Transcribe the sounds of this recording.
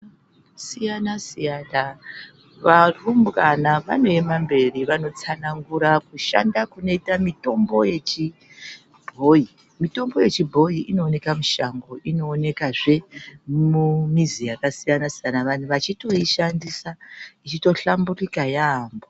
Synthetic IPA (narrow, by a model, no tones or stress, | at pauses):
sijanasijana | ʋarumbranaʋa̰no̞e̞mambe̞riʋano̞t͡sanaŋɡuɾakuʃa̰ndakuno̞itamito̞mbo̞je̞t͡ʃi | bʱo̞i | mito̞mbo̞je̞t͡ʃibʱo̞iʔino̞ːne̞kamuʃaŋɡo̞ʔino̞ːne̞kaʐe̞mumizijakasijanasijanaʋanuʋat͡ʃito̞iʃandisait͡ʃito̞ɬamburikajaːmbo